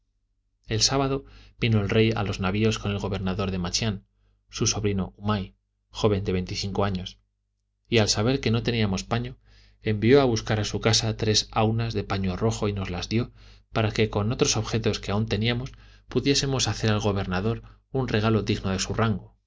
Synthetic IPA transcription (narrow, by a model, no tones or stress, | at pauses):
e̞lsaβað̞o̞b̥ino̞elre̞ja̰lo̞znaβio̞sko̞ne̞lɣo̞βe̞ɾnaðo̞ɾðe̞mat͡ʃjan | suso̞βɾino̞umaj | xo̞βe̞nd̪e̞βe̞jnt̪iθiŋko̞aɲo̞s | ialsaβ̞e̞ɾke̞no̞t̪e̞niamo̞spaɲo̞ | e̞mbijo̞aβuskaɾasukasat̪ɾe̞sawnazðe̞paɲo̞ro̞xo̞ino̞zlazðjo̞paɾake̞ko̞no̞t̪ɾo̞so̞βxe̞t̪o̞skeaunt̪e̞niamo̞spuðje̞se̞mo̞saθe̞ɾalɣo̞βe̞ɾnaðo̞ɾunre̞ɣ̞alo̞ðiɣno̞ðe̞suraŋɡo